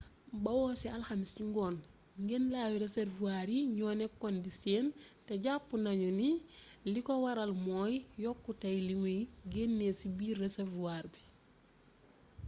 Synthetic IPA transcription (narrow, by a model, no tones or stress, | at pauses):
bɐwɔːsialxamisuŋɡɔːn | ŋɡenlaːwiɾeseɾvuaːɾiɲɔːnɛkːɔndiseːnteɟapːunaɲunilikowaɾalmɔːjjɔkːutajliŋeɡenːesibiːɾeseɾvuaːɾbi